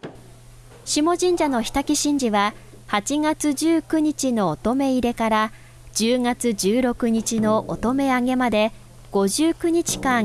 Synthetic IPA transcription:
ɕimo̞ʑĩɲ̟d͡ʑano̞çi̥t̪akʲiɕĩɲ̟d͡ʑiβa | hat͡ɕiŋat͡sɨd͡ʑɨːkɯ̟ɲ̟it͡ɕino̞ːt̪o̞me̞iɾe̞kaɾa | d͡ʑɨːŋat͡sɨʑɨːɾo̞kɯ̟ɲ̟it͡ɕino̞ʔot̪o̞me̞aŋe̞mad̪e̞ | ɡ̥o̞ʑɨːkɯ̟ɲ̟it͡ɕi̥kã

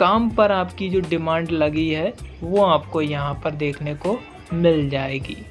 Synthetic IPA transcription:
kaːmpɐɾaːpkid͡ʒoːɖɪmãːɳɖlɐɡiɦɛʋoːaːpkojɐɦãpɐɾd̪eːkʰneko | mɪld͡ʒaːeːɡḭː

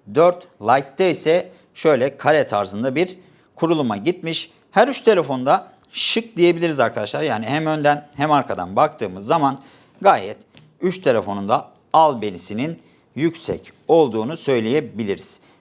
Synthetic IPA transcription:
d̪øɾt̪lˠajk̚t̪ʰːɛisɛ | ʃø̞jlʲɛkʰaɾɛt̪ʰaɾzɯnd̪abiɾ | kʰuɾulˠumaɟit̪miʃ | hæɾyt͡ʃt̪ʰe̞lʲe̞fo̞nd̪a | ʃɯk̚d̪ije̞bilʲiɾizaɾkʰad̪aʃlˠaɾjaːniɦæmø̞nd̪ænhæmaɾkʰad̪a̰nbakt̪ʰɯːmɯzːaman | ɡaːjɛ̰t̪ | yʃt̪ʰe̞lʲe̞fo̞nund̪a | alˠbe̞nʲisinin | jycsɛ̰c | o̞lˠd̪uːnusø̞jlʲejebilʲiɾiz̥

